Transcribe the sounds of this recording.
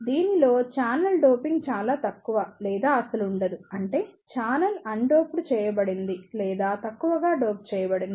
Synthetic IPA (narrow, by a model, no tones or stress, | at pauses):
d̪iːnilo̞ːt͡ʃaːnɐlɖoːpiŋɡt͡ʃaːlaːt̪ɐkːuʋɐlɛːd̪aːɐsɐluːɳɖɐd̪uɐɳʈe̞ːt͡ʃaːnɐlɐɳɖo̞ːpuɽut͡ʃɛːjɐbɐɽind̪ilɛːd̪aːt̪ɐkːuʋɐɡaːɖoːp̚t͡ʃɛːjɐbɐɽind̪i